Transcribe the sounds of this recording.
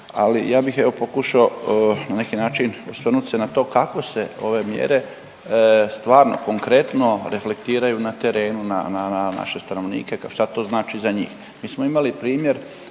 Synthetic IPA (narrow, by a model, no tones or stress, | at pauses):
alḭjaːbixe̞ʋo̞po̞kuʃao̞nane̞kinaːt͡ʃinsʋr̩nut̪senat̪o̞ːkako̞se̞o̞̰ʋe̞mjḛɾe̞ | st̪ʋaːɾno̞̰ko̞ŋkɾe̞t̪no̞ɾe̞fle̞kt̪iːɾajunat̪e̞ɾe̞ːnuna̰naana̰ʃe̞st̪ano̞ʋnḭːke̞kʃt̪at̪o̞ːznaːt͡ʃizaɲḭːx | miːsmoimalipɾiːmje̞ɾ